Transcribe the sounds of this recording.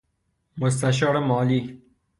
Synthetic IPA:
mʊs̬t̪aʃɔɾemɔːliː

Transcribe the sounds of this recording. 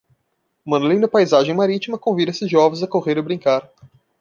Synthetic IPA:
mɐ̃nolĩnd̪ɐpajzaʒẽj̃maɾit͡ʃimɐkõvid̪ɐesɪzʒɔvẽzɐkoʁeɾɪbɾĩŋkaɾ

